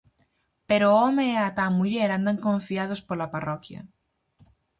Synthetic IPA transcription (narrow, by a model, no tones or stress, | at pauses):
peɾoomeːat̪amuʎeɾand̪aŋkõɱfiað̞ospolaparɔkja̰